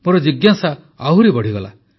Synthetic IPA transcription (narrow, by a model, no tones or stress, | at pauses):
moɾɔd͡ʒiɡjasa | aɦuɾibɔɽ̤iɡɔla̰